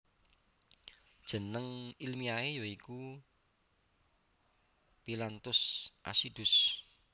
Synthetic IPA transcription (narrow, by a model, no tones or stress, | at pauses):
d̥ʒ̥ə̤nəŋilmiaejɔiku | pilant̪ʊsʔa̰sid̪̥ʊ̤s